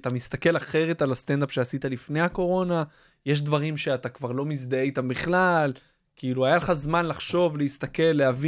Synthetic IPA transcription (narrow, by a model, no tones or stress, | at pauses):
t̪amist̪ake̞laχe̞ʁe̞talast̪end̪apʃeasit̪alifne̞jako̞ʁo̞na | je̞ʃ̬d̪vaʁimʃe̞at̪akvaʁlo̞mizd̪aeit̪ambiχlal | kiːluajaleχazmanlaχʃo̞vleist̪ake̞lːeavi